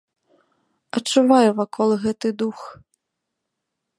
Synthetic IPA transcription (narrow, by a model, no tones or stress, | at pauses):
ɐt͡ʂuvajuvakʰɔlˠɣɛt̪ɨd̪ux